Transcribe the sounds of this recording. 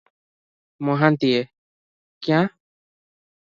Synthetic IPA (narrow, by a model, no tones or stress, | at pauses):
mɔ̃ɦãnt̪ie | kj̃ã